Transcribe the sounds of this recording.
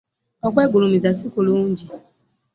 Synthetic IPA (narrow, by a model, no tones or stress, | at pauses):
ɔk͡pɛɡolumizasikolod͡ʒi